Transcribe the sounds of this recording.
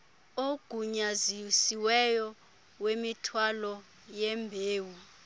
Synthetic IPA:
oɡ̥ʱuɲazisiwɛjɔ | wemitʰwalɔ | jɛmbʱeːwu

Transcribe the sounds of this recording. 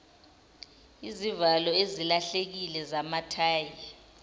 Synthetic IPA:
izivalɔezilaɬek̬ilɛzamatʰaːji

